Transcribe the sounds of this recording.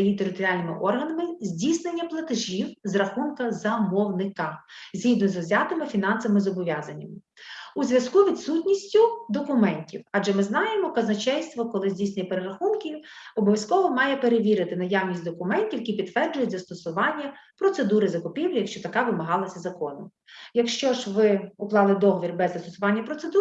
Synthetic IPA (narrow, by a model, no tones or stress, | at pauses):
ɐjit̪eɾɪt̪ɔɾʲialʲnɪmɪʔɔrɦɐnɐmɪzʲdʲisnenʲːɐplˠɐt̪ɪʒʲiwzrɐxunkɐzɐmɔwnɪkɐzʲɦid̪nɔzɔzʲat̪ɐmɪfʲin̪ɑnsɐmɪzɔbɔʋʲjɑzɐnʲːɐmɪ | uzʲʋʲjɐskuʋʲit̪sutʲnʲisʲtʲʊd̪ɔkʊmɛnʲtʲiwɐʒɛmɪznɑjemɔkɐznɐt͡ʃɛjst̪ʋɔkɔlˠɪzʲdʲisnenʲːɐpeɾeɾɐxumkʲiɔbɔʋʲjɐskɔɦɔmɑjɛpeɾeʋʲiɾɪt̪ɪnɐjawnʲisʲtʲd̪ɔkʊmɛnʲtʲiwkʲipʲid̪tʋɛrd͡ʒʊjʊt̚ʲzɐst̪ɔsʊʋɑnʲːɐpɾɔt̪sed̪uɾɪzɐkɔpʲiwlʲjɐkʃt͡ʃɔt̪ɐkɑʋɪmɐɦɑlˠɐsʲɐzɐkɔnɔm | jɐkʃt͡ʃɔʒʋɪʊklˠɑlˠɪd̪ɔɦɔʋʲirbɛzːɐst̪ɔsʊʋɑnʲːɐpɾɔt̪sed̪u